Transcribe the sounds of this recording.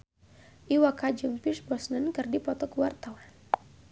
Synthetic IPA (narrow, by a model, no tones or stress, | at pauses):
ʔiwakad͡ʒuŋpisbɔsnənkɨrdipɔt̪ɔkəwart̪awan